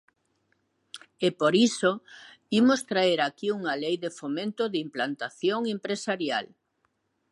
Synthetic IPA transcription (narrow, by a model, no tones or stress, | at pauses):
epoɾiso | imost̪ɾaeɾakiuŋalejðefomẽnt̪oðimplant̪aθjoŋempɾesaɾjal